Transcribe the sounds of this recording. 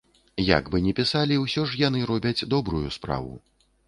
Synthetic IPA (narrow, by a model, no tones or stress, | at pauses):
ja̰ɡbɨnʲɛpʲisalʲiwsʲɔʐjan̪ɨɾɔbʲɐd͡zʲd̪ɔbɾujuspɾa̰vṵ